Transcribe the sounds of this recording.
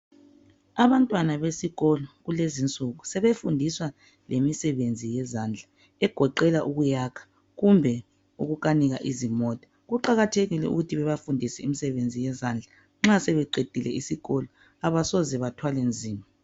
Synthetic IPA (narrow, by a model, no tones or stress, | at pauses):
aβantʼwanaβesiɣɔlɔɣulezint͡sʼuɣusɛβefundʱiswa | lʔemisɛβend͡zʱijɛzaːnd͡ɮʱa | ɛɡ̥ʱɔǃɛlaʔuɣujakʰḁ | ɣumbʱɛ | ṵɣuɣaniɣaʔizimɔːtʼḁ | ɣuǃaɣatʰeɣilɛ̰ṵɣutʰiβɛβafundʱisɛimisɛβend͡zʱijɛzand͡ɮʱa | ŋ͡ǁasɛβɛǃed̥ʱilɛ̰isiɣɔlɔ | aβasɔzɛβatʰwalend͡zʱiːma